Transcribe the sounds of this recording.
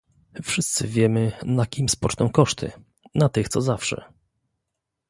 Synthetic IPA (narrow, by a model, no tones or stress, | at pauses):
fʂɘst̪sɘvʲjɛmɘnakʲimspɔt͡ʂnɔ̃w̃kɔʂt̪ʰɘ̰ | nat̪ɘxt̪sɔzafʂɛ̰